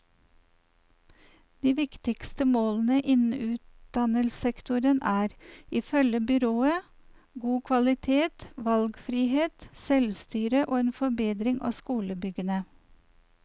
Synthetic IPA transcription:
d̪̥iːʋɪkt̪ɪkst̪əmoːln̩əʔɪnn̩ʉːt̪̚d̪̥ɑnəlsɛkt̪ʊɾənæːɾiːfœləbʏɾoːə | ɡuːkʰʋɑlɪt̪ʰeːt̪ʋɑlɡfɾiːheːt̪sɛlst̪yːɾəʔoːeːnfɔbeːd̪ɾɪŋʔɑ̰ːskuːləbʏɡənə

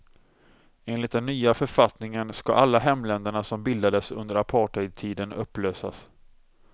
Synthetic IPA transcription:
eːnlɪt̪̚d̪ɛnːyːafœɾfat̪nɪŋənska̰ʔalːaɦɛmlɛnd̪əɳasɔmbɪld̪ad̪əsɵ̰nd̪əɾapʰɑːʈœjd̪̚t̪ʰiːd̪ənɵpːløːsa̰s

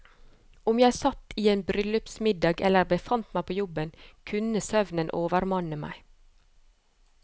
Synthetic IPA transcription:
ʊmjæɪsɑt̪iːeːnbɾʏlʉpsmɪd̪ɑːɡɛ̰ləɾbəfɑnt̪mæɪpʰoːjɔbənkʰʉnəsœʋnənʔoːʋəɾmɑnəmæ̰ɪ

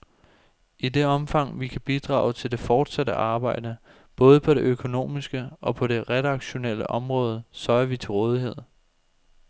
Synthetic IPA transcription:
ʔid̥e̝ɒ̽mfɑ̈ŋ̰ʋikʰæb̥id̥ʁɑ̰̈ːʊt͡sʰe̝ld̥e̝fɒːd̥sæd̥əʔɑ̈ːb̥ɑ̈ɪ̰d̥ə | b̥ɔ̽ːð̞ˠəpʰɒ̽ɾe̝ʔøkʰo̝no̝̰ːmisɡ̥əʔɒ̽pʰɒ̽ɾe̝ʁɛd̥ɑ̈ɡ̥ɕo̝nel̰əʔɒ̽mʁɔ̽ːð̞ˠəsɒɪɐʋit͡sʰe̝lʁɔːð̞ˠiɦe̝ð̞̰ˠ

